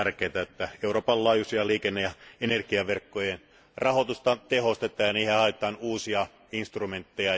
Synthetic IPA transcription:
rkˑeːt̪æet̪ːæeuroːpɑllɑːjusiɑliːkenːejɑenerɡ̥iɑʋerkːojen | rɑhot̪ust̪ɑt̪ehost̪et̪ˑɑːjɑniːhehɑet̪ˑɑːnuːsiɑ | inst̪rument̪ːejɑ

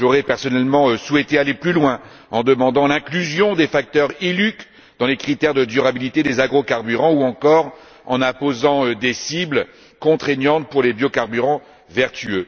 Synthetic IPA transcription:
ʒoʁɛpɛʁsɔnɛlmɑ̃øswɛt̪ealeplylwɛ̃ | ɑ̃d̪əmɑ̃d̪ɑ̃lɛ̃klyzjɔ̃d̪efak̚t̪œʁilyk | d̪ɑ̃lekχit̪ɛʁd̪əd̪yʁabilit̪ed̪ezaɡʁokaʁbyʁɑ̃uɑ̃kɔʁ | ɑ̃nɛ̃pozɑ̃d̪esibl | kɔ̃t̪χeɲjɑ̃t̪̚puʁlebjokaʁbyʁɑ̃ | vɛʁt̪yø

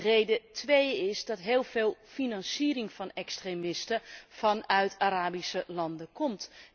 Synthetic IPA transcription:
rejdətʋejɪsdɑtɦɪːlˠveːlˠfinɑnsiːɾɪŋv̥ɑnɛkstremɪstəfɑnœɥtʰaɾaːbisəlɑndəkɔmt

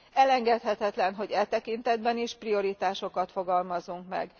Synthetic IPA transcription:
ɛlɛŋɡɛt̪hɛt̪ɛt̪lɛnɦo̞ɟɛlt̪ɛkint̪ɛd̪bɛniʃprio̞ɾit̪aːʃo̞kɒt̪fo̞ɡɒlmɒzuŋkmɛ̰ɡ

